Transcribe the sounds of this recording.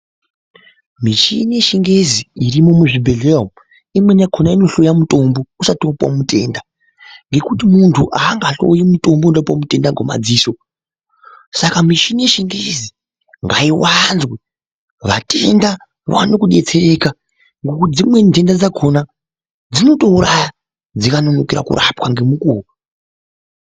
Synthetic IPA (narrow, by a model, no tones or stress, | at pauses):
miʃinijeʃiŋɡeziirimomuʐibʱe̞ɮeom | imwe̞nakʰonaino̞ɬo̞jamutʼo̞mbo̞usatopwa̰mute̞̰nda | ŋɡe̞kutimuntʰuʔaːŋɡaɬo̞̰jimuto̞mbo̞uɗapwamute̞ndaɡʱwo̰ma̰d͡ziːso̞ | sakamiʃinieʃiŋɡezi | ŋɡaiwanzwe | ʋatʰe̞nda | ʋa̰nokuɗe̞t͡se̞re̞ka | ŋɡokud͡zimwe̞nte̞ndad͡zakʰo̞na | d͡zino̞to̞uɾaja | d͡zikano̞nokiɾa̰kṵɾʔa̰pwaŋɡe̞mukuːwa